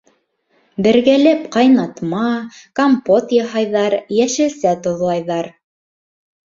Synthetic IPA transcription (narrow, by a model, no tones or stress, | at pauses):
bɘ̆ɾɡælæpqɑjnɑt̪mɑkompot̪jɑɦɑjðɑɾjæʃɘ̆sæt̪ŏðlˠɑjðɑɾ